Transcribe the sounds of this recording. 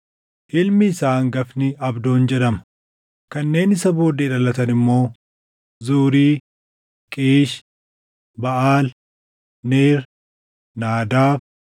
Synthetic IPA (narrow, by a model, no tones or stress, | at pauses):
hɪlmɪːsaːŋɡɐfnɪɐbd̪oːnd͡ʒɛᶑɐmɐ | kɐnːe̞ːnɪsɐbo̞ːd̪eːᶑɐlɐt̪ɐnɪmːo̞ː | zuːɾiː | kʼeːʃ | bɐʔaːl | neːɾ | naːd̪aːb